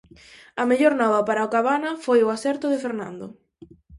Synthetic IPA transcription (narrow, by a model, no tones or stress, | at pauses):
ɐmeʎoɾnɔβɐpaɾaokaβanɐfojʊasɛɾt̪ʊðɪfeɾnã̰nd̪ʊ̰